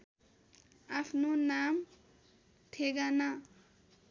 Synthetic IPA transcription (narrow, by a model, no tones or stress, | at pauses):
apʰnonam | t̪ʰeɡana